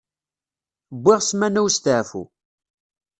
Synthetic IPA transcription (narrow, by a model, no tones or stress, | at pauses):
bʷːɪʁsmænæwst̪əʕfṵ